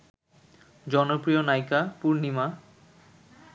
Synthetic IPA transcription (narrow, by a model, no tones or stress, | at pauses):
d͡ʑɔnopɾionajkapuɾnima